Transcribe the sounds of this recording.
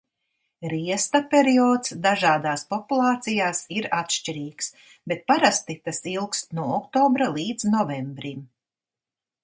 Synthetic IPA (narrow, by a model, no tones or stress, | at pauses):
ɾiɛst̪apeɾiɔːt̪sd̪aʒaːd̪aːspɔpulˠɑːt̪sijaːsiɾat̪ʃt͡ʃiɾiːks | bet̪̚paɾast̪it̪asilˠkst̪nuɔɔkt̪ɔːbɾalˠiːd̪znɔvɛmbɾim